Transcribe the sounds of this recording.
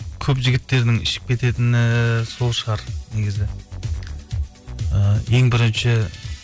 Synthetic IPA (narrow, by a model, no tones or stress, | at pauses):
kʲʰɵpʒɪɡʲɪt̪ːe̞ɾd̪ɪŋɪ̰ʃɪ̥p̚kʲʰe̞t̪e̞t̪ɪnɪso̞lˠʃəʁɑɾneɡʲɪzɪ | əje̞ŋbɪɾɪnʃɪ